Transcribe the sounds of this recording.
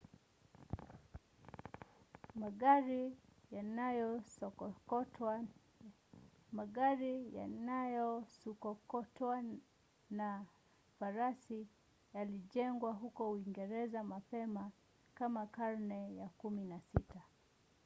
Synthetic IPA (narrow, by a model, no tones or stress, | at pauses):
maɡaɾijanajɔɔɔ | maɡaɾijanajɔsukɔkɔtwa | na | faɾasi | jaliʄɛŋɡwaɦukɔuiŋɡɛɾɛzamapɛma | kamakaɾnɛjakuminasita